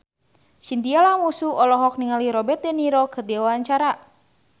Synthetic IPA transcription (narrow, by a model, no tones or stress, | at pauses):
sint̪ialamusuɔlɔɦɔk̚niŋaliɾɔbɛt̪̚dɛniɾɔkɨrdiawaaɲt͡ʃaɾa